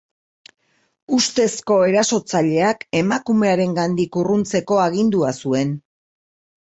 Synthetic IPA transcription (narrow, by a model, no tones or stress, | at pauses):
ust̪e̞sko̞e̞ɾaso̞t͡saʎe̞ake̞makume̞aɾe̞ŋɡand̪ikurunt͡se̞ko̞aɣind̪uasue̞n